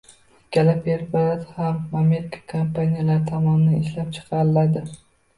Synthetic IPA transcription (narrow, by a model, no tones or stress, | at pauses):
kʲʰalapʰeɾpaɾat̪hamame̞ɾɪkʰḁkʰampʰanijalaɾt̪ʰɒmɒnɪnaɪʃlap̚t͡ʃʰɨ̥qʰɑɾɪlad̪ɪ